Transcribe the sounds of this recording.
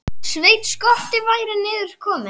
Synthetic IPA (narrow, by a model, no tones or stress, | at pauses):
sveːjt̪skɔl̥t̪ɪvaːjɾɪnɪːðʏɾ̥kʰɔːmɪ